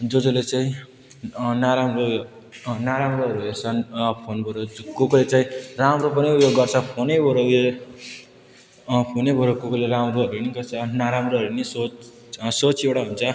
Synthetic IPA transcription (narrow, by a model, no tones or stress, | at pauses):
d͡zod͡zolet͡saĩ | naɾamro | naɾamroɦʌɾuɦert͡sʰʌpʰonbʱoɾokoklet͡saĩramropʌniupjoɡːʌrt͡sʰʌpʰonebʱoɾoe | pʰonebʱoɾokokleɾamroɦʌɾunikʌt͡sʰʌnaɾamroɦʌɾuniso | sot͡sʰewɽaɦunt͡sʰʌ